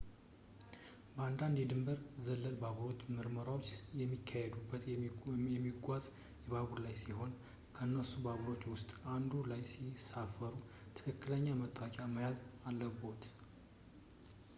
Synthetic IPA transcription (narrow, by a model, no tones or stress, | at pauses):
bəand̪and̪jɛd̪ɨmbəɾzəlːəlbaɡɾo̞t͡ʃːmɨɾməɾawo̞t͡ʃːɛmːikʰːahed̪ubːət̪ɛmːiɡʷaz | jɛβaɡuɾlajsiho̞n | kʰəɨnːəsubaβɾo̞t͡ʃːwʊst̪ʼand̪ulajsisafːəɾut̪ʰɨ̥kʰɨkːɨləɲːamət̪ʼːakʼaməjazalːəbo̞t̪